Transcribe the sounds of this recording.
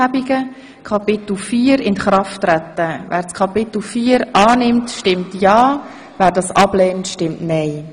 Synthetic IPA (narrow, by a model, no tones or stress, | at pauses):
abiɡə | kʰɑpɪt̪l̩fiːɾɪnχɾɑftːɾæt̪ːəvʔæ̰ːɾskʰɑpɪt̪l̩fiːəɾʔɑːnɪmtʃtɪmtjɑː | væːɾdɑsɑblɛːntʃtɪmtnɛɪ